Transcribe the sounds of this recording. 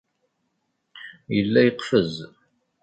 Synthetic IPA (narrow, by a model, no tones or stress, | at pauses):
jəlːæjəqfəz